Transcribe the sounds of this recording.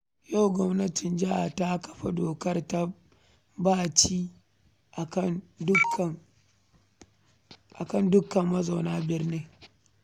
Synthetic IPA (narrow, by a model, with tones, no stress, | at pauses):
ja˦˨wɡʷɔ˦mnɐ˦tɪ˨nd͡ʒɐ˦ʔa˨ta˦kɐ̥˨ɸa˦doː˨kɐ˦rta˦ | baː˦t͡ʃiː˦ | ʔa˨kɐ˦ndʊ˦kɐ˨ŋ | ʔa̰˨kɐ˦˨ndʊ˦kɐ˨mːɐ˦za˨naː˦bɪ˦rne˦ŋ